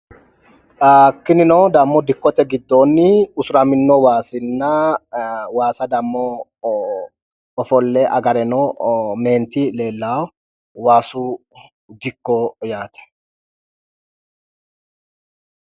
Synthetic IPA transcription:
akːɪnɪnoːd̪ɐmːɔd̪ɪkːɔt̪ɛɡɪd̪ːoːnːɪʊsʊɾɐmɪnːɔwaːsɪnːɐ | waːsɐd̪ɐmːɔ | ɔfɔlːɛʔɐɡɐɾɛnɔme̞ːnt̪ile̞ːlːaːw | waːsu | d̪ɪkːɔjaːt̪ɛ̥

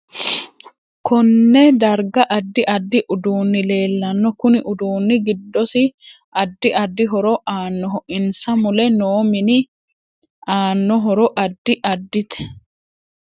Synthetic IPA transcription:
kɔnːɛd̪ɐɾɡɐʔɐd̪ːɪʔɐd̪ːɪʔʊd̪uːnːɪle̞ːlːɐnːɔkʊnɪʔʊd̪uːnːɪɡɪd̪ːɔsɪ | ʔɐd̪ːɪʔɐd̪ːɪɦɔɾɔʔaːnːɔɦɔʔɪnsɐmʊlɛnoːmɪnɪ | aːnːɔɦɔɾɔʔɐd̪ːɪʔɐd̪ːɪt̪ɛ̥

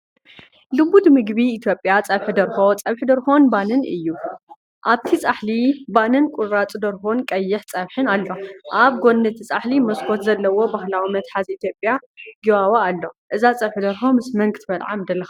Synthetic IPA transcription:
lɨbut̪mɨɡbiːt̪ʰjo̞pʼjat͡sʼɐβħɨd̪ɐɾxo̞t͡sʼɐβħɨd̪ɐɾxonbanɨnʔɨjːu | ʔaβt̪ʰit͡sʼaħlibanɨnkʼʊɾat͡sʼd̪ɐɾxonkʼɐjːɪħt͡sʼɐβħɨnalːo̞ʔaβɡo̞nːɨt̪ʰit͡sʼaħlimɐskʰot̪zɐlːɐwo̞baxlawimɐt̪ħazit̪ʰjopʼjaɡiwawaːlːo̞ʔɨzat͡sʼɐβħɨd̪ɐɾxo̞mɨsmɐŋɡt̪ʰbɐt̪ʕa̰md̪ɐlːɐxa

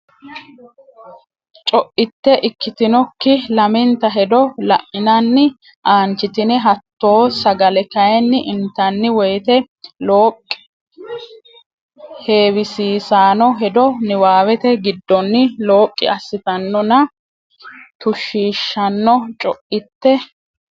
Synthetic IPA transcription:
t͡ʃʼɔʔɪt̪ːɛʔɪkːɪt̪ɪnɔkːɪlɐmɪnt̪ɐɦɛd̪ɔlɐ̰ʔɪnɐnːɪ | ʔaːnt͡ʃːɪt̪ɪnɪɦɐt̪ːo̞ːsɐɡɐlɛkɐjɛnːɪʔɪnt̪ːɐnːɪwɔjt̪ɛ | loːkʼːɪ | he̞ːwɪsiːsaːnɔɦɛd̪ɔnɪwaːwɛt̪ɛɡɪd̪ːɔnːɪlo̞ːkʼːɪ̰ɐsːɪt̪ɐnːɔnɐ | t̪ʊʃiːʃːɐnːɔt͡ʃʼɔʔɪt̪ːɛ

